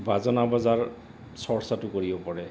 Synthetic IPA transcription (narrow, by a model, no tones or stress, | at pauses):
bazɔnabazaɹ | sɔɹsatʊkoɹibɔpɔɹɛ